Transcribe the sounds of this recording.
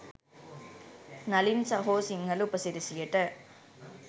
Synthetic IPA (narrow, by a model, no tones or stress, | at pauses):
nɐlinsɐɦoːsiŋɡɐɭɯpːɐsɪɾɪsɪjɐʈːɐ